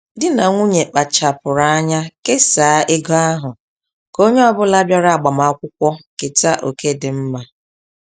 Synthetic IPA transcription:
dɪ˦na˨ŋʷu˦ɲe˨k͡pa˨t͡ʃa˨pʊ˨ɾa˨˦a˦ɲa˦ke˦saː˨˦ʔe˦ɡɔ˦a˦ɦʊ˨ | ko˦ɲe˦ɔ˦bʊ˦la˦bja˦ɾa˦a˨ɡ͡ba˨ma˨˦kʷʊ˦kʷɔ˦ke˨ta˦ʔo˨ke˦dɪ˨m̩˦ma˦

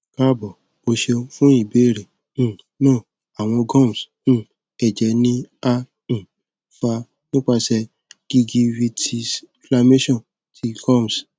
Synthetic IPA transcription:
ka˦˨bɔ˨ | bo˧ʃe˧˦fũ˦i˦˨be˨˦˨ɾẽ˨ | nɔ̃˦˨ | a˨w̃ɔ̃˧ɡɔ̃˦˨m˨s̩˦˨ | ɛ˨d͡ʒɛ˨˧˦nĩ˦ã˦˨ | fa˧ | nĩ˦k͡pa˧sɛ˧ | ɡ̥i˧ɡi˧wi˧ti˧sfla˧me˦ʃɔ̃˦˨ | tʰi˧ɡɔ˦˨m˨s

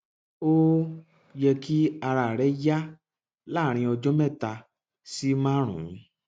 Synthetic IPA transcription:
o˦ | jɛ˧ki˦a˧ɾa˨ɾɛ˨˦ja˦ | la˦˨ɾ̃ĩ˧ɔ˧d͡ʒɔ˦mɛ̃˦˨ta˧ | si˦mã˦ɾ̃ṵ̃˨˦

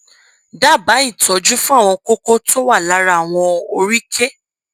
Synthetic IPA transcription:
da˦˨ba˨˦i˦˨tɔ˨˦d͡ʒu˦fũ˦a˦˨w̃ɔ̃˧ko˦kɔ˦tʰo˦wa˦˨la˨˦ɾa˦˨w̃ɔ̃˧o˧ɾi˦kʰe˦

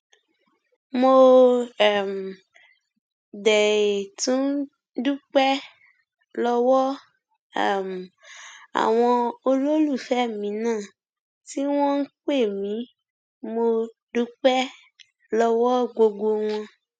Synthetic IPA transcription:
mo˧˨ | m˨ | dɛ˨e˨tũ˨˦n˦ | du˦k͡pɛ˦ | lɔ˧wɔ˦˨ | m˨a̰˨w̃ɔ̃˧o˧ɾo˦lu˦˨fɛ˦mĩ˨˦nãː˦˨ | ti˦w̃ɔ̃˦n̩˦k͡pe˦˨mĩ˨˦ | mo˧ | du˦k͡pɛ˦ | lɔ˧wɔ˦ɡ͡bo˧ɡ͡bo˧w̃ɔ̃˧

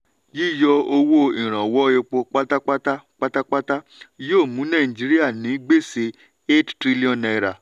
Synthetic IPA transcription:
ji˦˨jɔ˧o˧wo˦ĩ˨ɾ̃ã˨wɔ˨˦e˧k͡po˧k͡pa˦ta˦k͡pa˦ta˦k͡pa˦ta˦k͡pa˦ta˦ | joː˦˨mũ˨˦nã˦˨d͡ʒi˨˦ɾi˦a˦˨nĩ˨˦ɡ͡be˦˨se˧˦ | e˦ttɾi˦li˦ɔ̃˦˨na˧˨ɾa˨

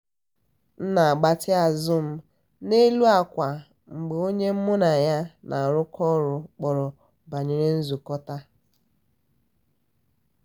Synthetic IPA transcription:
n̩˦na˨a˨ɡ͡ba˦tɪ˦a˨zʊ˦m̩˦ | ne˦lu˦a˨kʷa˨ | ŋ͡m̩˨ɡ͡be˨o˦ɲe˦m̩˦mʊ˦na˨ja˦nʔa˨ɾʊ˦kɔ˦ɾʊ˨k͡pɔ˨ɾɔ˨ | ba˨ɲe˨ɾe˦n̩˦zu˨kɔ˦ta˦

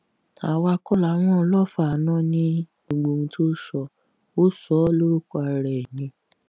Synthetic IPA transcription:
ta˨wa˧kɔ˦la˨˦w̃ɔ̃˦˧lɔ˦˨fa˨nã˦nĩ˧˦ | o˧˨ɡ͡bo˨ŋ̩̃˧tʰo˦ʃɔ˧˨ | o˦sɔ˨˦lo˦ɾu˦kɔ˧a˧ɾɛ˨nĩ˨˧

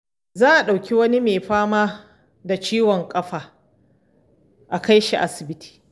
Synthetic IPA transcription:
zaː˦ʔa˨ɗa˨wkʲi˦wɐ˦ni˦meː˨ɸaː˦maː˦ | da˨t͡ʃiː˦wɔ˨ŋkʼɐ˦ɸaː˨ | ʔa˨ka˦jʃi˨ʔa̰˦sɪ˨bɪ˦tʰi̥ː˨

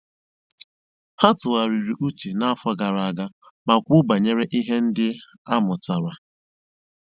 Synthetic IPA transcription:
ha˦tʊ˨a˨ɾi˨ɾi˨ʔu˦t͡ʃe˨na˦a˦fɔ˦ɡa˨ɾa˨a˨ɡa˦ba˨kʷʊ˦ba˨ɲe˦ɾe˦ʔi˦ɦe˦n̩˦dɪ˦ | a˦mʊ˨ta˨ɾa˨

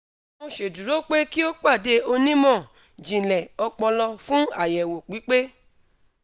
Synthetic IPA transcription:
mõ˧ʃe˨du˨ɾo˦k͡pe˦ki˦o˦k͡pa˦˨de˦o˧nĩ˦mɔ̃˦˨ | d͡ʒĩ˨lɛ˨ɔ˧k͡pɔ̃˧lɔ˧fũ˦a˦˨jɛ˨wo˨k͡pi˨˦k͡pe˦

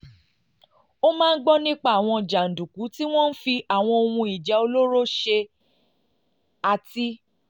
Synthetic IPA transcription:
o˦mãː˦n̩˦ɡ͡bɔ˦nĩ˦k͡pa˦˨w̃ɔ̃˧˨d͡ʒa˨n̩˨dũ˨ku˨˦ti˦w̃ɔ̃˦n̩˦fi˧a˨w̃ɔ̃˧o˧wũ˧i˨d͡ʒɛ˨˦o˧lo˦ɾo˦ʃe˧ | a˧ti˦

